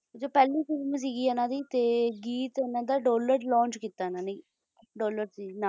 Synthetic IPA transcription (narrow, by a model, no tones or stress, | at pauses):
d͡ʒoːpɛːlĩːsɪɾms̬iːɡiːɛnãːd̪iːt̪eːɡiːt̪enãːd̪aːɖoːləɾlɔ̃ːɲt͡ʃkit̪ːaːnaːni | ɖoːləɾsiːnaː